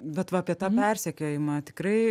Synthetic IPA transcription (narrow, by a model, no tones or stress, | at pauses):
bʲɛt̪ʋɐɐpʲiɛt̪ɑːpʲɛrʲsʲɛkʲoːjɪmɐt̪ʲɪkɾɐɪ